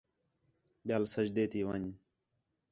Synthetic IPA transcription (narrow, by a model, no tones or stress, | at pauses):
ɓjaːlsəd͡ʒd̪eːt̪iːʋaɲ